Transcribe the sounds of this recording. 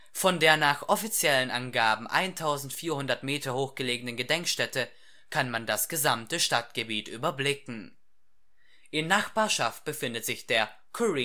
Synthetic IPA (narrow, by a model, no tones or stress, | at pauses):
fɔndeːɐnaːχʔɔfit͡sjɛlənʔa̰nɡaːbm̩ʔa̰ɪntʰaʊzn̩tfiːɐhʊndɐtmeːtɐhoːxɡ̥əleːɡənənɡədɛŋkʃtɛtə | kʰanmandasɡ̥əzamtəʃtatɡ̥əbiːtʔyːbɐblɪkŋ̩ | ʔɪnːaχb̥aːɐʃaft̚b̥əfɪndətz̥ɪçd̥eːɐ | kʰuʁi